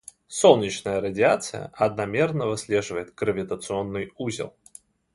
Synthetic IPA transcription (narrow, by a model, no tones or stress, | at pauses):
solˠnʲit͡ɕnəjəɾədʲɪat̪sɨjə̰ʔɐd̪̚namʲernəvɨsʲlʲeʐɨvəjɪt̪ɡɾəvʲɪt̪ət̪sɨonːɨjuzʲɪ̰lˠ